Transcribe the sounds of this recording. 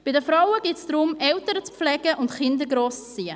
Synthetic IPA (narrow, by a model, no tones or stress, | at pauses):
b̥ɪdəfɾawəɡɪtsd̥̪ɾʊmɛltəɾət͡spflɛɡ̥əʔʊntχɪnd̪əɡɾoːst͡st͡siːə